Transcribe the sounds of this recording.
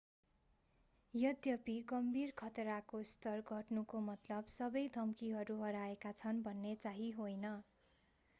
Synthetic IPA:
jʌd̪jʌpiɡʌmbʱirkʰʌt̪ɾakost̪ʌrɡʱʌʈnukomʌt̪lʌbsʌbʌjd̪ʱʌmkiɦʌɾuɦʌɾaekat͡sʰʌnbʱʌnːet͡saɦiɦojnʌ

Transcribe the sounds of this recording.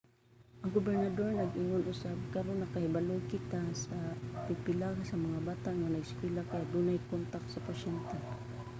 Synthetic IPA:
ʔaŋɡʊbɛɾnad̪oɹnaɡʔɪŋʊnʔʊsab̚kaɾonːɐkahɪbalʊjkɪt̪asapɪɡ̚pɪlaɡasamaŋabaːt̪aʔŋanaɡɪskwɛlakajaʔd̪unajkont̪ak̪̚sapaʃɛnt̪ɛ

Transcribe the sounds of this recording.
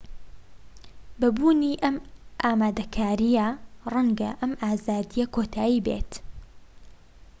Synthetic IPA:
bɐbuːniʔɐmʔaːmaːd̪ɐkʰaːɾijɐrˤɐŋɡɐʔɐmʔaːzaːd̪ijɐkʰoːt̪ʰaːjibḛːt̪

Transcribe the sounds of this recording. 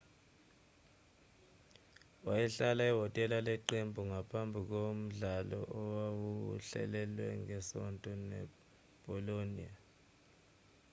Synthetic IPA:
wajɛɬalaiɦɔtʼɛlalɛǃembʱuŋapʰambʱik̬om̩ɮalɔ̰ʔɔwawuɬɛ̰lɛlwɛŋɛsɔntʼɔnɛ̰ | b̥ʱɔlonia

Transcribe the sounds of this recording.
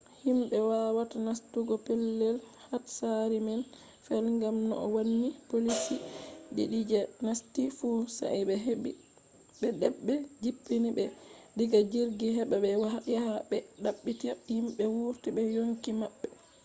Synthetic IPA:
himɓɛwawatanastuɡɔpɛlːɛlhatsaɾimɛn | fɛlŋɡamnɔʔɔwanːipolisiɗḭɗid͡ʒɛnastifusa̰jbɛɦbi | bɛdɛɓːɛd͡ʒipːinibɛdiɡad͡ʒiɾɡiɦɛbabɛjahabɛɗaɓːitihimɓɛwuɾtibɛjoŋkimaɓːɛ

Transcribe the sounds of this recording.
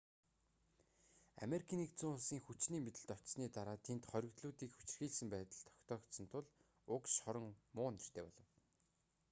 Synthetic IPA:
a̰meɾikʰiːnikt͡suŋʊɮsiːŋxut͡ɕniːmet̪ɘ̆ɮt̪ɔ̥t̪sniːt̪aɾaːt̪ʰent̪χœɾʲɪ̆kt̪ɮuːt̪iːkxut͡ɕ̆rxiːɮsɘ̆mpæːt̪ə̆ɮt̪ʰɔ̥kʲt̪ʰɔːkt̪sɞ̆nt̪ʰʊɮ | ʊkʃχɔɾə̆ŋmʊːnir̥t̪ʰeːpɔɮɞ̆w

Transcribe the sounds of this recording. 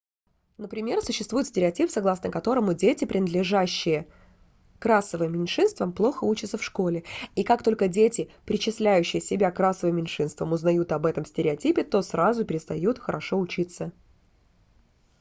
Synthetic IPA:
nəpɾʲɪmʲe̞rsʊɕːɪst̪vuɪt̪sʲtʲɪɾʲɪɐtʲipsɐɡlˠasnəkɐt̪o̞ɾəmʊdʲetʲɪpɾʲɪnəd̪lʲɪʐaɕːɪjə | kɾasːəvɨmʲːɪnʲʂɨnst̪vəmplˠo̞xəut͡ɕɪt̪səfʂko̞lʲɪikak̚t̪o̞lʲkədʲetʲɪpɾʲɪt͡ɕɪsʲlʲæjʉɕːɪjəsʲɪbʲakɾasəvɨmʲːɪnʲʂɨnst̪vəmʊznɐjut̪ɐbɛt̪əmsʲtʲɪɾʲɪɐtʲipʲɪt̪o̞sɾazʊpʲɪɾʲɪst̪ɐjut̪xəɾɐʂo̞ʊt͡ɕit̪sə

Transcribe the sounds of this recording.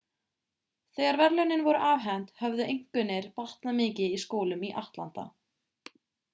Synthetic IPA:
θɛːɣaɾvɛɾlœnɪnvɔɾʏʔaːvɦɛnt̪hœvðʏʔejŋ̥kʏnːɪɾ̥par̥t̪namɪːcɪiskoːwlʏmiʔaht̪lan̥t̪a̰

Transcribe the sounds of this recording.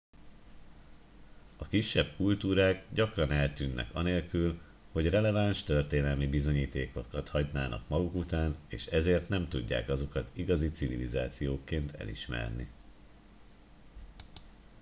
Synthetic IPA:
ɒkiʃːɛb̚kult̪uːɾaːɡɟɒkrɒnɛlt̪yːnːʔɛ̰kɒneːlkyl | ho̞ɟrɛlɛvaːnʃt̪ørt̪eːnɛlmibizo̞ɲiːt̪eːkokɒt̪hɒɟnaːnʔɒ̰kmɒɡukut̪aːneːʃɛzeːrt̪nɛmt̪uɟːa̰ːkɒzo̞kɒt̪iɡɒzit̪sivilizaːt̪sijoːkːeːnt̪ʰɛ̰lḭʃmɛ̰rnḭ

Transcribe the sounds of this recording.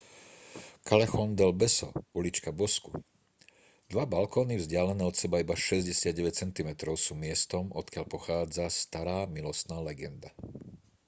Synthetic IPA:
kalɛxɔnd̪ɛlbɛsɔ̰ulit͡ʃkabɔsku | d̪̥ʋabalkɔːnivzɟɪalɛnɛːɔt̪sɛbaibaʃɛzɟɛsɪad̪̚ɟɛʋɛc̚t͡sɛnt̪imɛt̪ɾɔʊsuːmɪɛst̪ɔmɔt̪kɪaʎpɔxaːd͡zast̪aɾaːmilɔst̪naːlɛɡɛnd̪a

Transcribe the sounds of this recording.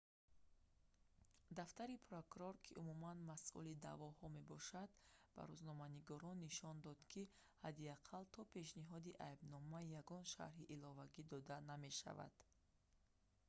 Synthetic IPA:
d̪aft̪aɾipʰɾokuɾɔɾkʰiʔumumanmasʔṵlid̪a̰vɔhɔme̞bɔʃad̪ba̰ɾuznɔmaniɡɔɾɔnːiʃɔnd̪ɔd̪kʰi | had̪iaqʰalt̪ʰɔpʰe̞ʃniɦɔd̪iʔajbnɔmajaɡɔnʃa̰ɾɦiʔːlɔvaɡid̪ɔd̪aname̞ʃa̰va̰d̪̥

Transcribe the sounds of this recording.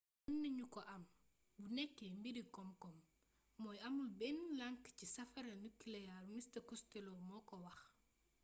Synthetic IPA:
unːiɲukɔʔam | bunekːembiɾikɔmkɔm | mɔjamulbenlaŋkcisɐfaɾanukilejalmistɐkustelomɔkowɐx

